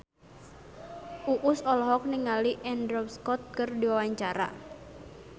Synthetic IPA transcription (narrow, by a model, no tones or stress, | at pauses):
ʔuʔʊsɔlɦɔk̚niŋaliʔɛndɾɔpskɔt̪̚kərdiwawaɲt͡ʃaɾa̰